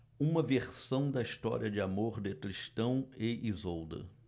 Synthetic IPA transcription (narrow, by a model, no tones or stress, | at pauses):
ũmɐveɾsɐ̃w̃d̪ɐist̪ɔ̰ɾḭɐd͡ʒɪamoɾd̪ɪkɾiʃt̪ɐ̃w̃eʔizowd̪ɐ̰